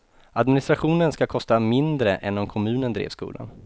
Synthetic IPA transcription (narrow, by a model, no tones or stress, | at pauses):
ad̪mɪnɪst̪ɾaɧuːnənskakʰɔst̪amɪnd̪ɾəʔɛnɔmkʰɔmʉ̟ːnənd̪ɾḛːvskṵːla̰n